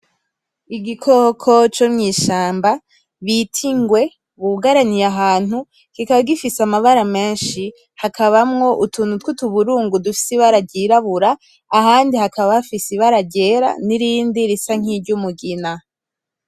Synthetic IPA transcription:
iɡikʰokʰo̞t͡ʃomŋiːʃaːmba | βitʰiŋɡwe̞ | βuɡaɾanijaɦaːn̥u | kikaβaɡifisamaβaɾame̞ːnʃi | hakʰaβamŋo̞ʔutunutkutuβuɾuːŋɡudufi̥siβaɾaɟiɾaβuɾaː | haːndihakaβahafisiβaɾaɟe̞ɾa̰niɾiːndiɾisaŋ̥iɟumuɡina

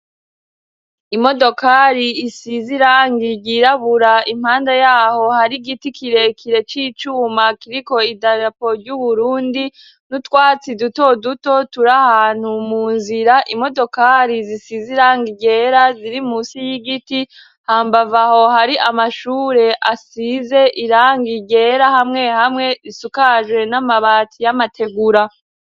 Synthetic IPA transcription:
imo̞do̞kaɾiːsiziɾaːŋɡiɟiɾaβuɾaim̥haːndejaːho̞haɾiɡitikʰiɾe̞kʰiɾe̞t͡ʃiːt͡ʃuːmakiɾiko̞idaɾapo̞ɾɟuβuɾuːndi | nutkwaːt͡siduto̞duto̞tuɾahaːn̥humuːnziɾaʔimo̞do̞kaɾizisiziɾaːŋɡiɟe̞ːɾaziɾimusijiɡiti | haːmbavaho̞haɾiʔamaʃuːɾe̞ʔasize̞ʔiɾaːŋɡiɟe̞ːɾahamŋe̞hamŋe̞isukaʒwe̞namaβaːt͡sijamatʰe̞ɡuɾa

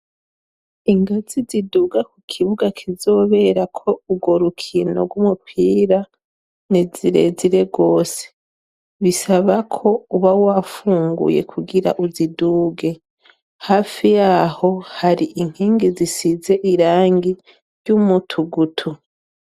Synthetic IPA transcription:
iŋɡaziziduɡakukʰiβuɡakʰizo̞ːβe̞ɾakʰo̞uɡo̞ɾukʰinoɡwumupʰiːɾa | niziɾḛziɾe̞ɡo̞ːse̥ | βisaβakʰo̞uβawafuːŋɡṵjḛkʰuɡiɾa̰ʔuziduːɡe̞ | haːfijaho̞haɾiʔiŋ̥heːŋɡezisize̞ʔiɾaːŋɡi | ɾɟumutʰuɡutʰu

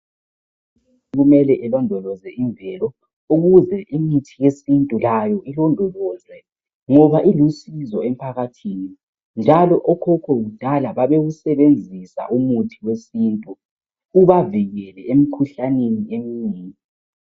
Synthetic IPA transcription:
ɣumɛlɛʔɛlɔndʱɔlɔzɛiɱvʱɛlɔ | uɣuzɛʔimitʰijesintʼulajɔʔilɔndʱɔlɔzɛ | ŋɔβaʔilusizɔem̩pʰaɣatʰiːni | nd͡ʒʱalɔʔɔkʰɔkʰɔɣud̥ʱalaβaβeɣusɛβend͡zʱisa̰ʔumutʰiwesintʼu | uβaviɣɛlɛem̩kʰuɬaneniemiːŋi

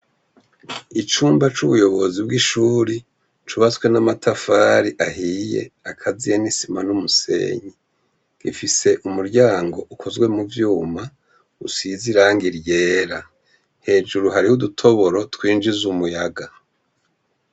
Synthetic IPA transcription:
it͡ʃuːmbat͡ʃuβujo̞βo̞zib̚ɡiʃuːɾi | t͡ʃuβaswe̞namatʰafaːɾiʔaɦiːjḛakʰazijenisimanumuse̞̰ːɲi | ɡ̥ḭfise̞ʔumuɾɟaːŋɡo̞ʔukʰo̞zɡwe̞muvjuːma | usiziɾaːŋɡiɾje̞ːɾa | he̞ːd͡ʒuɾuɦaɾihudutʰo̞βo̞ɾo̞twiːnd͡ʒizumujaɡa

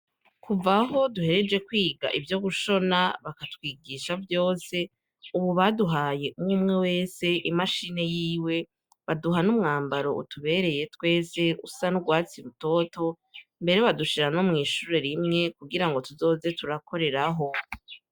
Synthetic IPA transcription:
kuvaɦo̞duhe̞ɾe̞d͡ʒe̞kwiːɡa̰ʔivjo̞ɡuʃo̞naβakatkwiːɡiːʃavjo̞ːse̞ | uβuβaduɦaːje̞ʔumŋumŋe̞we̞ːse̞ʔimaʃine̞jiːwe̞ | βaduɦanumŋaːmbaɾo̞̰ṵtuβe̞ːɾe̞je̞twe̞ːse̞ṵsanuɡwaːt͡siɾuto̞to̞ | mbe̞ɾe̞βaduʃiɾanomŋiːʃuːɾe̞ɾimŋe̞kuɡiɾaŋɡo̞tuzo̞ːze̞tuɾakʰo̞ɾe̞ɾaɦo̞

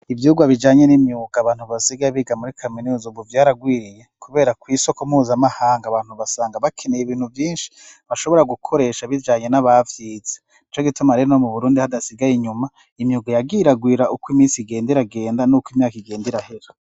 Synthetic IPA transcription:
ivjuːɡwaβid͡ʒaːɲenimjuːɡ̥aːβaːn̥huβasiɡaβiɡamuɾikʰaminuzubuvjaːɾaɡwiːɾijekuβe̞ːɾakwiso̞komuːzamahaːŋɡaβaːn̥huβasaːŋɡaβakʰenejiβiːnhuvjiːnʃi̥βaʃo̞βo̞ɾaɡukʰo̞ɾe̞ːʃaβid͡ʒaːɲe̞naβavjiːze | nit͡ʃo̞ɡitumaɾeɾonomuβuɾuːndihadasiɡajiɲuma | imjuːɡajaɡiːɾaɡwiːɾaʔukwimiːsiɡe̞ːndiɾaɡe̞ːndanukwimɲaːkiɡe̞ːndiɾahe̞ɾo

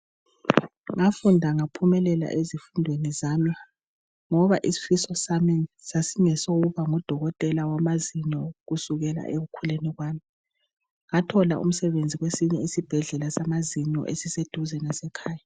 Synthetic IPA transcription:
ŋafundʱaŋapʰumɛlɛla̰ʔezifundʱwenizaːma | ŋɔβaʔisi̥fisɔsaminsasiŋɛsoɣuβaŋɔd̥ʱɔɣɔtʼɛlawamaziɲɔɣusuɣɛla̰ʔeɣukʰulenɛɣwaːmi | ŋatʰɔlaʔṵm̩sɛβend͡zʱiɣwesiɲɛisib̥ʱɛɮɛlasamaziɲɔ̰ʔesised̥ʱuzɛnɛsɛkʰaːja

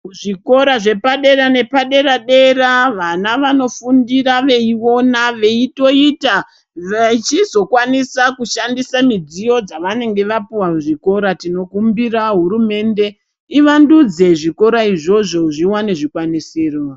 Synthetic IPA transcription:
ʐiko̞ɾaʐe̞paɗe̞ɾane̞paɗe̞ɾaɗe̞ɾaʋanaʋano̞fundiraʋe̞io̞naʋe̞ito̞ita | ʋet͡ʃizo̞kwanisakuʃandisamid͡zijo̞d͡zaʋane̞ŋɡe̞ʋapiwauʐiko̞ɾatino̞kumbiraɦuɾume̞nde̞ | iʋandud͡ze̞ʐiko̞ɾaiʐo̞ʐo̞ʐiwane̞ʐikwanisiːro

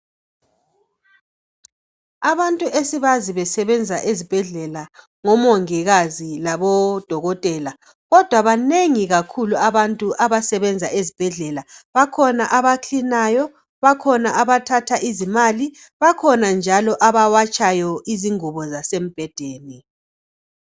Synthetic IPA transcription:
aβantʼuʔesiβaziβɛsɛβɛnd͡zʱaʔezib̥ʱɛɮɛla | ŋɔmɔŋiɣazilaβɔd̥ʱɔɣɔtʼɛːla | ɣɔd̥ʱwaβaneŋiɣakʰuluaβantʼuʔaβasɛβɛnd͡zʱaʔezib̥ʱɛɮɛlaβakʰɔnaʔaβat͡ɬʰinajɔ | βakʰɔnaʔaβatʰatʰaʔizimali | βakʰɔnand͡ʒʱalɔʔaβawat͡ʃʼajɔiziŋuβɔzasem̩b̥ʱɛd̥ʱeːni

